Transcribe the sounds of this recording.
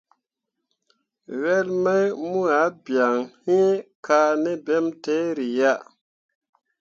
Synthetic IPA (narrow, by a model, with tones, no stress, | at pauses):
wɛ˦lmɛ˦jmu˦a˨˦bja˨ŋhi˦kʰa˧nɛ˦bɛ˦mte˦ɾi˨ja˦ʔ